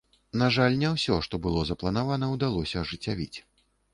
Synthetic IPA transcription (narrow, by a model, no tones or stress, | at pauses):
naʐalʲnʲɛwsʲɔʂt̪ɔbɨlˠɔzɐplˠɐnavanɐwd̪alˠɔsʲɐʐɨt͡sʲːavʲit͡sʲ